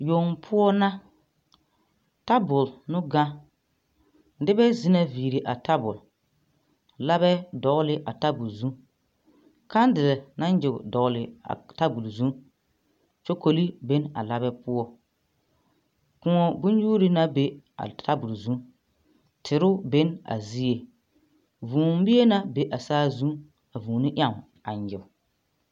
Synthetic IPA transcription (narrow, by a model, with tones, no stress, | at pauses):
jo˨ŋ˦pʰʊ˦ɔ˦na˦ | ta˦bʊ˨lnʊ˦ɡa˦ | dɪ˦bɛ˦zi˦na˦viː˨ɾi˨ʔa˨ta˦bʊ̰˨l | la˦bɛ˦dɔ˨˦lɪ˦ʔa˨ta˦bu˨lzu˦ | ka˦n˦dɪ˨lɛ˨na˦n˦d͡ʒɪ˨ɡʊ̰˨dɔ˨lɪ˨a̰˨ta˦bu˨lzũ˦ | t͡ʃo˦ko˨li˦be˦na̰˨la˦bɛ˦pʊ˦ɔ˦ | kʊ˨ŋɔ˨bʊ˦n˦juː˦ɾi˦na˦be˨a̰˨tʰa˦bu˨lzũ˦ | tʰɪ˨ɾʊ˦be˦na̰˨zi˦e˨ | vuː˨m˦bɪ˦e˦na˦be˨ʔa˨saː˦zũ˦ | a˨vuː˨nɪ˦ʔja˦˨m˨ | a˨ɲjɪ˨